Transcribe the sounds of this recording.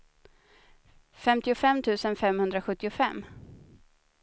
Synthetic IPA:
fɛmt̪ɪʊfɛmt̪ʰʉ̟ːsənfɛmhɵnd̪ɾaɧɵt̪ːɪʊfɛmː

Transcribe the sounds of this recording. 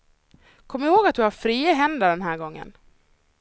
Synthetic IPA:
kʰɔmːɪɾhoːɡat̪̚d̪ɵhafɾiːəɦɛnd̪aɖɛnɦæːɾɡɔŋːə̰n

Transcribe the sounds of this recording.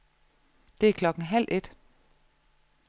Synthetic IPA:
d̥e̝æɐkʰlɒ̽ɡ̥ŋ̩ɦæl̰ʔe̝d̥

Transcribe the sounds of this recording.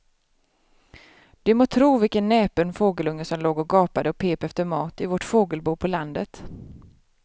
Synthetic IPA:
d̪̥ɵmoːt̪ʰɾuːvɪlkənːɛːpənfoːɡəlɵŋːəsɔmloːɡɔɡɑːpad̪əɔpʰeːpɛft̪əɾmɑːt̪ɪvɔʈfoːɡəlbuːpʰɔland̪ət̪

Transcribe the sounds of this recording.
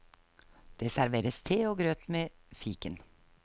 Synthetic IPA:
d̪̥eːsæɾʋeːɾəst̪ʰeːoːɡɾøːt̪meːfiːkən

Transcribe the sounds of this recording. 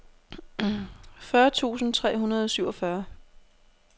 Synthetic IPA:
fɶɐt͡sʰṵːsn̩t͡sʰʁɛ̰ːɦunɐð̞ˠɒ̽syʊ̰ɒ̽fɶɐ

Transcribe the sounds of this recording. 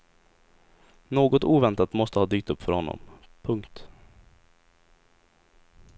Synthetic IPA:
noːɡɔt̪uːvɛnt̪at̪mɔst̪əhɑːd̪yːk̚t̪ɵpːfœɾhɔnːɔ̰mpʰɵŋkt̪

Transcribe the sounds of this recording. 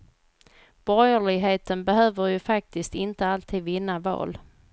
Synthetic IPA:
b̥ɔjəɭɪɡɦeːt̪ənbɛɦøːvəɾjɵfak̚t̪ɪst̪ɪnt̪əalt̪ʰiːd̪vɪnːavɑ̰ːl

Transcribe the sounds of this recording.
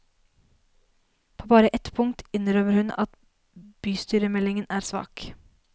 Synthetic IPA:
pʰoːbɑːɾəʔɛt̪pʰʊŋt̪ɪnɾøːʋəɾhʉnɑt̪ | b̥yːst̪yːɾəmɛlɪŋənæːɾsʋɑ̰ːk

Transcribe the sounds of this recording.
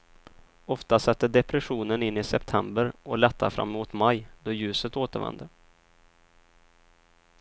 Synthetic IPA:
ɔft̪asɛt̪ːəɖɛpɾɛɧuːnənɪnːɪsɛpt̪ʰɛmbəɾʔɔlɛt̪ːaɾfɾa̰mːmuːt̪majd̪ɔjʉ̟ːsət̪oːt̪əɾvɛ̰nd̪əɾ

